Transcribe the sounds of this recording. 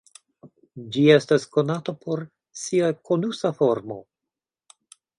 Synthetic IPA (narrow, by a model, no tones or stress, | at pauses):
d͡ʒie̞stasko̞natopʰo̞ɾ | siakʰonusafoɾmo̞̰